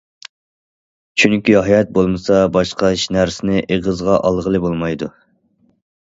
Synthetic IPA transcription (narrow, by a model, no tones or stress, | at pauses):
t͡ʃʰyŋkʲiɦɑjɑt̪̚bolˠmɨsɑbɑʃqɑʃnæɾsɪnɪʔeʁəzʁɑʔɑlˠʁəlˠɨbolˠmɑjd̪u